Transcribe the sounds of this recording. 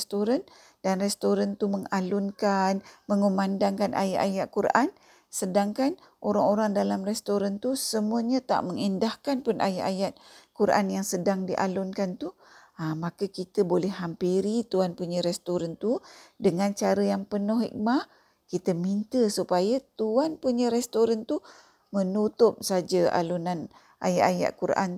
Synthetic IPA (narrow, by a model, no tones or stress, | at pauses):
st̪oɾan | danrɛst̪oɾant̪uməŋalʊnkanməŋumandaŋkanʔa̰ja̰ʔajaʔ̪̚kuɾʔan | sədaŋkan | ʔoɾaŋoɾaŋdalamrɛst̪oɾant̪usəmuəɲət̪a̰ʔməŋindahkanpʊnʔa̰jaʔajat̪̚kuɾʔa̰njaŋsədaŋdiʔa̰lʊnkant̪u | amakəkit̪əbolɛhɦampiɾit̪uanpuɲəɾɛst̪oɾant̪udəŋant͡ʃaɾəjaŋpənʊhɦḭk̚mah | kit̪əmint̪əsupajat̪uanpuɲəɾɛst̪oɾant̪u | mənut̪ʊp̚sad͡ʒəʔa̰lunan | ʔa̰jaʔaja̰ʔkuɾʔa̰n